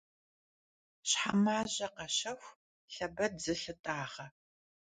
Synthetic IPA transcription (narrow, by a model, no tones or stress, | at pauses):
ɕħamaːʑɐqɐɕɐxʷ | ɬɐbɐdzɨɬɨtʼaːʁɐ